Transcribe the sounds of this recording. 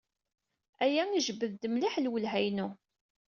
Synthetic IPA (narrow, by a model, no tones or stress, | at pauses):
æjæniʒəbːəðd̪əmliħlwəlɦæjnu